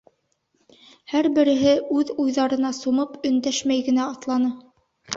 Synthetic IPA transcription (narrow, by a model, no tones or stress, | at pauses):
hæɾbɘ̆ɾɘ̆ɦɘʉðujðɑɾɤ̆nɑsumɤpɵ̆nd̪æʃmæjɡɘ̆næɑt̪lˠɑnɤ